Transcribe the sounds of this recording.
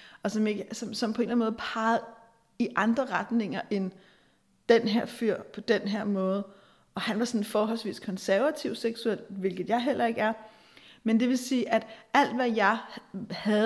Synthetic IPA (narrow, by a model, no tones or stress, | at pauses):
ɒ̽sɒ̽me̝ɡ̥əsɒ̽msɒ̽mpʰɒ̽e̝nlænmɔ̽ːð̞̩ˠpʰɑ̈ːɪð̩ˠ | iʔɑ̈nd̥ʁɐʁad̥ne̝ŋɐʔe̝n | d̥enɦeɐ̰fyɐ̰pʰɒ̽d̥enɦeɐ̰mɔ̽ːð̞̩ˠ | ɒ̽hænʋɑ̈sɒ̽n̩fɒːɦɒ̽l̰sʋḭːskʰɒ̽nsæɐʋæt͡sʰiʊ̰seɡ̥suel̰d̥ʋe̝lɡ̥ð̞̩ˠjɑ̈ɪɦel̰ʔɐe̝ɡ̥əæɐ | mend̥e̝ʋe̝siːʔæd̥æl̰d̥ʋæjɑ̈ɪhæð